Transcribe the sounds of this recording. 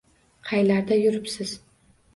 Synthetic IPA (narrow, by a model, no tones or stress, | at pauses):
qʰɑjlaɾd̪ajʊɾɪpsɪz̥